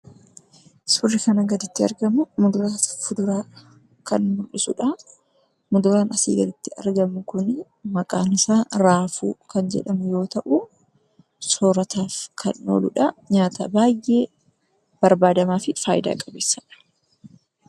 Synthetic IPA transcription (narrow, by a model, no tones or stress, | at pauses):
sʊrːɪkɐnɐɡɐd̪ɪt̪ːɪɐ̰ɾɡɐmʊmʊd̪ʊɾaːfʊd̪ʊɾaː | kɐnmʊlɪsʊ̰ᶑɐ | mʊd̪ʊɾaːnɐsḭːɡɐlɪt̪ːɪʔɐ̰ɾɡɐmʊkʊn | mɐkʼaːnɪsaːɾaːfṵːkɐnd͡ʒɛ̰ᶑɐmʊjo̞ːt̪ɐʔʊ | soːɾɐt̪ʰaːfkʰɐnʔo̰ːlʊᶑɐɲaːt̪ʰɐbaːjʔːe̞ː | b̥ɐɾbaːd̪ɐmaːfɪfa̰ːjɪd̪a̰ːkʼɐbeːsːɐᶑɐ̥